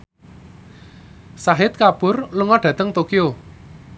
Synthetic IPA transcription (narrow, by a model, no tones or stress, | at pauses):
saɦɪt̪̚kapʊrluŋɔɖ̥ä̤t̪əŋt̪okio